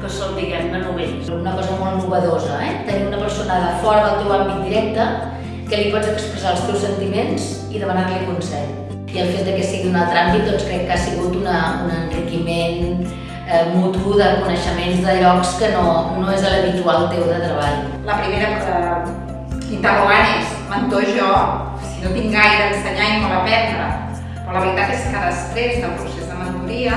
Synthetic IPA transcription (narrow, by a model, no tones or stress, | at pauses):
kəsɔlt̪iɣɛmkənuβɛsunəkɔzəmolˠnuβəðozəɛt̪əniunəpəɾsonəaðəfɔɾəðəlˠt̪ewambit̪̚d̪iɾɛk̚t̪ə | kəlipɔzəkspɾəzalˠst̪ewsənt̪imenz̥ | iðəmənakɛkunsɛʎ | iəlˠfet̪̚d̪əkɛsiɣiunalˠt̪ɾambit̪̚d̪ɔnskɾɛkːasiɣut̪unəunənrikimen | mut̪uðəkunəʃəmenzðəʎɔkskənonoezðələβit̪ualˠt̪ewðət̪ɾəβaʎ | ləpɾimeɾəktə | int̪əruɣanesmənt̪oʒɔ | sinot̪iŋɡajɾəðəsəɲaimoβəpɛnd̪ɾə̰ | pɾɔləβəɾit̪at̪eskkaðəst̪ɾezðəlˠpɾusezðəmənt̪uɾiə